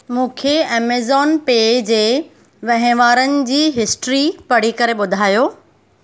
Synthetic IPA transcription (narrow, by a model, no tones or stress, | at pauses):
mũːkʰeɛːmeːzɔːnpeːd͡ʑeː | ʋɐ̃ɦɪ̃ʋaːɾənɪ̆d͡ʑiːɦɪsʈɾipɐɽ̤ikɐɾeɓʊd̪ʱaːjoː